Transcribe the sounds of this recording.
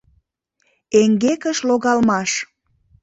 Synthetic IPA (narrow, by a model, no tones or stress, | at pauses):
eŋɡekəʃloɣɑlmɑʃ